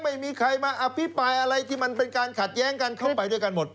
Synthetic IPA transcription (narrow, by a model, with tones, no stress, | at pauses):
ma˥˩jmiː˧kʰɾa˧jmaː˧ʔa˧pʰi˦˥pɾaː˧jʔa˧ɾa˧jt̪ʰiː˥˩ma˧npe˧nkaː˧nkʰa˨˩t̪̚jɛː˦˥ŋka˧nkʰa˥˩wpa˧jdu˥˩əjka˧nmo˨˩t̪̚